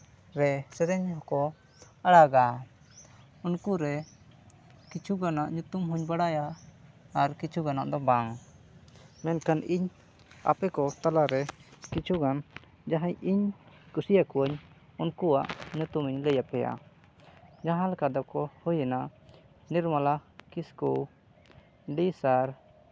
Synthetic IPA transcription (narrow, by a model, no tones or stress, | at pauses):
ɾɛsɛɾɛɲhɔkɔ | aɽaɡa | unkuɾɛ | kit͡ʃʰuɡanaʔɲut̪umɦuɲbaɽajaː | ɾkit͡ʃʰuɡana̰ʔd̪ɔbaŋ | mɛnkaniɲ | a̰pɛkɔt̪alaɾɛkit͡ʃʰuɡan | d͡ʒaɦaɲiɲkusijakuəɲ | unkuaʔɲut̪umiɲləjapɛja̰ | d͡ʒaɦãlkad̪ɔkɔhujɛnaʔ | niɾmalakisku | ɖisaɾ